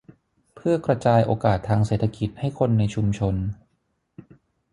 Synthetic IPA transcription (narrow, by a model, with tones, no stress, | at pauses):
pʰɯ˥˩ɐkɾa˧t͡ɕaː˧jʔoː˧kaː˨˩t̪ʰːaː˧ŋseː˨˩t̪ʰa˧ki˨˩t̪̚ha˥˩jkʰo˧nːa˧jt͡ɕʰu˧mt͡ɕʰo˧n